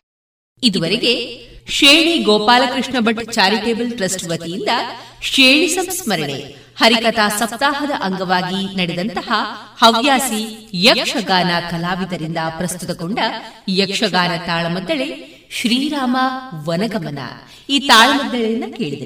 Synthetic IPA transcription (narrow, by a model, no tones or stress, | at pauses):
id̪uʋɐɾeɡe̞ʃeːɳiɡɔːpaːlɐkɾiʂɳɐbʱɐʈt͡ʃaːɾikeːbɐlʈɾɐsʈʋɐt̪ijind̪ɐʂeːɳisɐmsmɐɾɐɳḛ | hɐɾikɐt̪aːsɐp̚t̪aːɦɐd̪ɐʔɐŋɡɐʋaːɡinɐɽɛd̪ɐnt̪ɐhɐhɐʋjaːsijɐkʂɐɡaːnɐkɐlaːʋid̪ɐɾind̪ɐpɾɐst̪ut̪ɐkoɳɖɐjɐkʂɐɡaːnɐt̪aːɭɐmɐd̪ːɐɭe | ʃɾiːɾaːmɐʋɐnɐɡɐmɐnɐ̰ | iːt̪aːɭɐmɐd̪ːɐɭɐind̪ɐke̞ːɭid̪ɐɾ